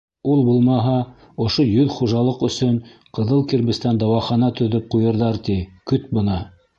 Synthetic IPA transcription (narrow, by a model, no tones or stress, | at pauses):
ulˠbulˠmɑɦɑ | ŏʃojɵðχuʒɑlˠɤqɵ̆sɵɴqɤ̆ðɤlˠkiɾmɘ̆st̪ænd̪ɑwɑχɑnɑt̪ɵ̆ðɵp̚qujɤ̆ɾðɑɾt̪ikɵt̪̚bɤ̆nɑ